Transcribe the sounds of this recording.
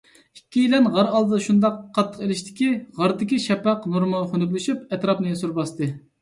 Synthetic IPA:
ikʲːijilɛnʁɑɾɑlˠd̪ʃund̪ɑqʰːɑt̪ʰːə̥qelɪʃt̪ʰɪ̥kʲiʁɑɾd̪ɪkʲiʃɛpɑqnuɾmɨχønyk̬ʲlɪʃypɛt̪ɾɑpnɨjesuɾbɑst̪ɨ

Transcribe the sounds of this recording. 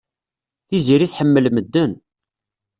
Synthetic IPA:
θiziɾiθħəmːəlməd̪ːən

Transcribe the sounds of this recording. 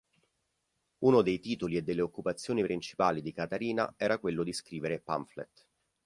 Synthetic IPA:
uːnod̪ejt̪iːt̪olied̪ːelːeokːupat̪sːjoːnipɾint͡ʃi̥paːlid̪ikat̪aɾiːna̰ɛːɾakwelːod̪iskɾiːveɾepa̰ɱflḛt̪ː

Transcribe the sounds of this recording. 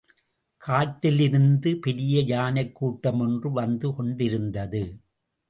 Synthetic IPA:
kʰaːʈːɪlɪɾɯnd̪ɯpɛɾɪjɐjaːnɐɪkːuːʈːɐmɔndrɯʋɐnd̪ɯkɔɳɖɪɾɯnd̪ɐðɯ

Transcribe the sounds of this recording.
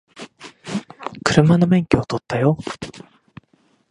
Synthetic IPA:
kɯ̟ɾɯ̟mano̞mẽ̞ŋkʲiot̪o̞t̪ːajo

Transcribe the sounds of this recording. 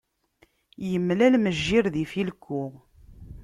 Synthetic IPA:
jəmːlælməʒːiɾðifilkʰːʊʁ

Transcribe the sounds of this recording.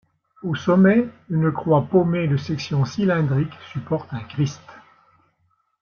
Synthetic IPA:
osɔmɛynəkχwapomed̪əsɛksjɔ̃silɛ̃d̪ʁiksypɔʁt̪ɛ̃kʁist̪

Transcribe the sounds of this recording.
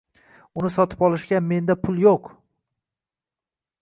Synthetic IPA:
ʊnɪsɒt̪ʰɪ̥pɒlˠɪʃkʲame̞nd̪apʰʊlˠjoq

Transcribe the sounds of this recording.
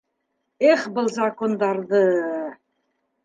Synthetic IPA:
eχbɤlˠzakond̪ɑɾðɤ

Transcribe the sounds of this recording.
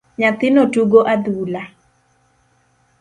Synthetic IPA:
ɲat̪ɪnotuɡoʔad̪ula

